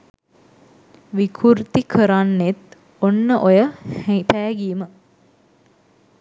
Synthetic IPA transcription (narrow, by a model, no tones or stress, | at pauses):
ʋikʰurt̪ikʰəɾanːet̪ | onːəʔojəhpæːɡiːmə